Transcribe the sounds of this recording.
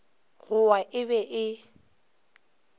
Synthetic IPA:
ɣʊaʔɪbɛʔɪ

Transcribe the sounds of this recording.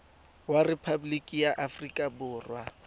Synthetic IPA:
warepʰablikʼijaʔafrikʼabʊːrwa̰

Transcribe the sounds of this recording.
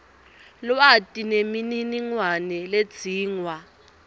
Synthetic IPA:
lɔatʼinemininiŋwanɛled̥z̥ʱiːŋwa

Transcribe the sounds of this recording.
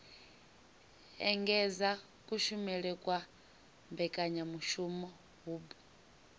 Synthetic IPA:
ɛ̰ŋɡɛza | kʼuʃumɛɺɛkʼwa | mbɛkʼaɲamuʃumɔ | ɦuːbu

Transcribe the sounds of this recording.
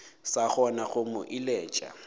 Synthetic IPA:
saχɔnaɣʊmʊʔilɛːt͡ʃʼa̰

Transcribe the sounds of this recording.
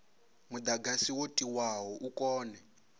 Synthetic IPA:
mud̪aɡasiwotʼiwaɦɔʔukʼɔːnɛ

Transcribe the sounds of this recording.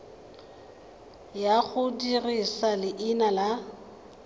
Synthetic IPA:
jaɣʊdirisalɪʔɪnala

